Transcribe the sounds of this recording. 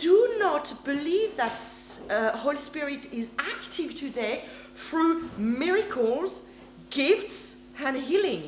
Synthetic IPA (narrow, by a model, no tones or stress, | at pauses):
d̥ənətb̥ɨliːvðət | hoʊlispɪɹɪɾɪzæktʰɪv̥tʰɨdeɪ | θɹumɪɹɨkʰəlˠz̥ | ɡ̥ɪfts | ɨ̃nɦilˠɪ̃ŋ